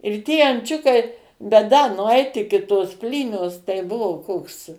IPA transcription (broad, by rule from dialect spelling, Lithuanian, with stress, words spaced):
ɪr ˈtʲiɛ ɐnʲˈt͡ʃʲʊkɐɪ bʲɛt dɐ nʊˈɐɪt ˈɪkʲɪ toːs ˈpʲlʲiːnʲoːs tɐɪ ˈbʊʋoː ˈkoːks